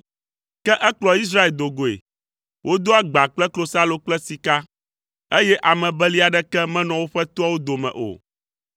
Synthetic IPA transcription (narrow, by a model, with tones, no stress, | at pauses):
kɛ˦ʔɛ˦k͡plɔ˦i˦s̬ɾa˦e˨ld̪o˨ɡo˨ḛ˨ | wʔo˦d̪o˦a˦ɡ͡ba˨k͡plɛ˦klo˨sa˦lo˨k͡plɛ˦si˨ka˦ | e˦jɛ˦ʔa˨mɛ̃˨bɛ˦li˦a˨ɖɛ˦kɛ˦mɛ̃˦nɔ̃˨wo˦ɸɛ˦t̪o˦a˦wo˦d̪o˨mɛ̰̃˨ʔo̰˨